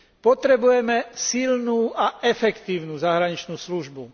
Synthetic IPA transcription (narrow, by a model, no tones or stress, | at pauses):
pɔt̪ɾɛbujɛmɛsilnuːaɛfɛkt̪iːʊnuːzaɦɾaɲit͡ʃnuːsluʒbu